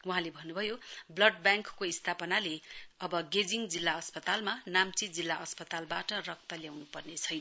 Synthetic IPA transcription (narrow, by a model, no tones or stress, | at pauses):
wuɦãlebʱʌnːubʱʌjoblʌɖ̚bjaŋkkoist̪ʰapʌnaleʌbʌɡed͡ziŋd͡zilːaʌspʌt̪almanamt͡sid͡zilːaʔʌspʌt̪albaʈʌrʌk̚t̪ʌljawnupʌrnet͡sʰʌjnʌ